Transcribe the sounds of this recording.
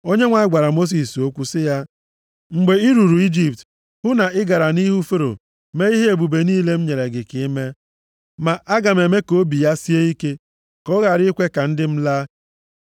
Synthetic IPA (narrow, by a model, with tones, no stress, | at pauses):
o˦ɲe˦ŋʷa˨˦ɡ͡ba˨ɾa˨mo˦s̬i˨so˦kʷu˦sɪ˦ja˦ | ŋ͡m̩˨ɡ͡be˨i˦ɾu˨ɾu˨i˦d͡ʒi˨p̚t | hʊ˦na˨ɪ˦ɡa˨ɾa˨ni˦ɦu˦fe˦ɾo̰˨ | me˦i˦ɦe˦e˨bu˨be˨niː˦le˦m̩˦ɲe˨ɾe˨ɡɪ˨kɪ˨˦me˦ | ma˨ʔa˦ɡa˨me˨me˦ko˦bi˨ja˦si˦e˦i˦ke˦ | kɔ˦ɣa˨ɾɪ˦kʷe˦ka˨n̩˦dɪ˦m̩˦la˦